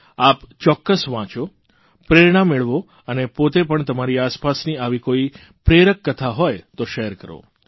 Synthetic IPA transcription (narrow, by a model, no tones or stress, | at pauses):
apt͡ʃɔkːəsʋãt͡ʃo | pɾeɾiɽ̃ãmːeɭʋo | ənepot̪epəɳt̪əmaɾiaspasniaʋikoi | pɾeɾəkːət̪ʰaɦɔjt̪oʃeəɾkəɾo̰